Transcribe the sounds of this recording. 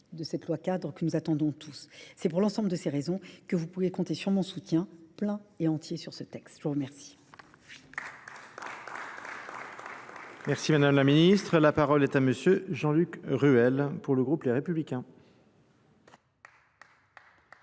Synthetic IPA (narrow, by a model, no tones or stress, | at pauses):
d̪əsɛt̪lwakad̪ʁəkənuzat̪ɑ̃d̪ɔ̃t̪ʰusːɛpuʁlɑ̃sɑ̃bləd̪əseʁezɔ̃kəvupuʁekɔ̃t̪esyʁmɔ̃sut̪jɛ̃plɛ̃eɑ̃t̪jesyʁsət̪ɛkst̪ʒuʁəmɛʁsi̥ | mɛʁsimad̪amlaminist̪χəlapaʁɔlɛt̪aməsjøʒɑ̃lykʁyɛlpuʁləɡʁupleʁepyblikʲɛ̃